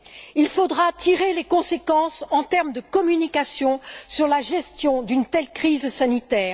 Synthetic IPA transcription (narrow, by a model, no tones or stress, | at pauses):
ilfod̪ʁat̪ʰiʁelekɔ̃sekɑ̃sɑ̃t̪ɛʁmd̪əkɔmynikasjɔ̃syʁlaʒɛst̪jɔ̃d̪ynt̪ɛlkχizsanit̪ɛːʁ